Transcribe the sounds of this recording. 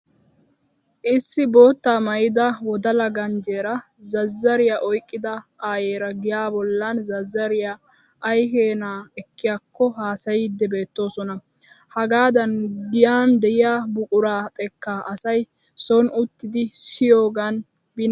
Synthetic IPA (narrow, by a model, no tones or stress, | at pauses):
ʔɪsːɪbo̞ːt̪ːaːmɐjɪd̪ɐwɔd̪ɐlɐɡɐnd͡ʒeːɾɐ | zɐzːɐɾɪjaʔɔjkʼːɪd̪ɐʔaːjeːɾɐɡɪjaːbɔlːɐnzɐzːɐɾɪja | ʔɐjke̞ːnaːɛkːɪjakːɔhaːsɐjɪd̪ːɛbe̞ːt̪ːo̞ːsɔnɐ | hɐɡaːd̪ɐnɡɪjaːnd̪ɛʔɪjaːbʊkʼʊɾaːt̪ʼɛkːaːʔɐsɐj | sɔnʊt̪ːɪd̪ɪsɪjo̞ːɡɐn | bɪn